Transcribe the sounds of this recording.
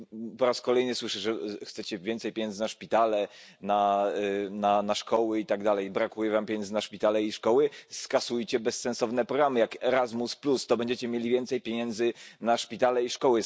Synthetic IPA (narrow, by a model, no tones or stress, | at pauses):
pɔɾaskɔlɛjnɘswɘʂɛʐɛxt̪sɛt͡ɕɛvʲjɛntsɛjpʲjeɲɛndzɘnaʂpʲit̪alɛna | nanaʂkɔwɘit̪aɡd̪alɛjbɾakujɛvampʲjɲɛnznaʂpʲit̪alɛiʂkɔwɘskasujt͡ɕɛbɛsːɛnsɔvnɛpɾɔɡɾamɘjakɛɾazmusplust̪ɔbɛɲd͡ʑɛt͡ɕɛmʲjelʲivʲjɛnt̪sɛjpʲjeɲɛnd̪zɘnaʂpʲit̪alɛiʂkɔwɘ